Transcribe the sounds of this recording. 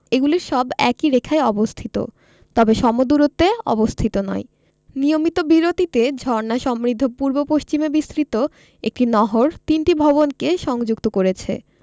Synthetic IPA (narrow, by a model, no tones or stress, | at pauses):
eɡuliɾʃɔbɛ̰kiɾekʰaeɔbost̪ʰit̪o̰ | t̪ɔbeʃɔmod̪uɾot̪ːeɔ̰bost̪ʰit̪onɔ̰e | nijomit̪obiɾot̪it̪ed͡ʑʱɔɾnaʃɔmɾid̪ʱːopuɾbopoʃt͡ɕimebist̪ɾit̪o | ḛk̚ʈinɔɦoɾt̪inʈibʱɔβonkeʃɔŋd͡ʑukt̪okoɾet͡ɕʰḛ